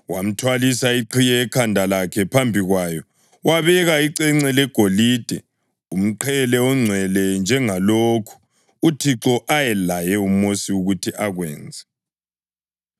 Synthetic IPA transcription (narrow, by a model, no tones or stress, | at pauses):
wam̩tʰwalisaiǃʰijɛːkʰandʱalakʰɛpʰambʱiɣwaːjɔ | waβɛɣaiǀɛŋ͡ǀɛlɛɡ̥ʱoliːd̥ʱɛ | um̩ǃʰɛlɛɔŋ͡ǀʱwɛlɛnd͡ʒʱɛŋalokʰu̥ | utʰiǁɔʔajɛlajɛumosiuɣutʰiʔaɣwɛ̰ːnd͡zʱɛ̥